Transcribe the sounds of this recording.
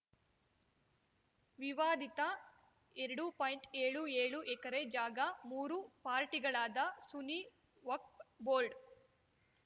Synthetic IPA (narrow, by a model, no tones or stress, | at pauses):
ʋiʋaːd̪it̪ɐ | eɾɐɽupaːjiɳʈeːɭueːɭuʔɛkɐɾed͡ʒaːɡɐmuːɾupaːɾʈiɡɐɭaːd̪ɐsuni | ʋɐk̚boːɾɖ